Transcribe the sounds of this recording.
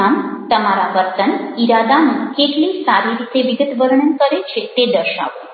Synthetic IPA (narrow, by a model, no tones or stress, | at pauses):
amt̪əmaɾaʋəɾt̪əniɾad̪anuːkeʈ̪lĩsaɾiɾit̪eʋiɡət̪ʋəɾɳənkəɾet͡ɕʰet̪ed̪əɕa̰ʋo